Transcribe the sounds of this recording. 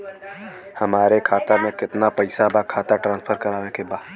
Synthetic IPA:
hɐmaːɾekʰaːt̪amẽkɪt̪napɐɪsabaːkʰaːt̪aʈɾãːnspʰəɾkɐɾaːnekebaːd̪

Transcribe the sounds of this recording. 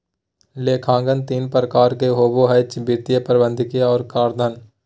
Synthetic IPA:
leːkʰãːŋɡənt̪iːnpɾəkaːɾkeɦoːboɦɐt͡ʃbiːɾt̪ijəpəɾɪbə̃nd̪ʱɪkijaɔːɾkaːɾd̪ʱən

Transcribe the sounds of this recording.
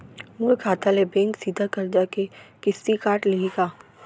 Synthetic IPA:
mukʰaːt̪alebɛ̃ːŋksiːd̪ʱakɐɾd͡ʒakekɪst̪ikaːʈlɪiɡaː

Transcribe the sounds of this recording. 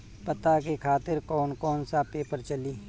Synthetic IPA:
pɐt̪akekʰaːt̪ɪɾkɔːnkɔːnsapeːpəɾt͡ʃɐliː

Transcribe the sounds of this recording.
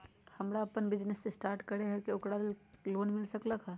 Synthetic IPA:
həmɾaəpənbɪd͡ʒnesːesʈaːɾʈkəɾeɦɛkeʊkɾalloːnmɪlsəkləkɦɛ

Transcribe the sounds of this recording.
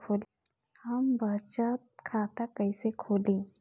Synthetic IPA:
kʰoːl | hɐmbɐt͡ʃət̪̚kʰaːt̪akɐisekʰoːlĩː

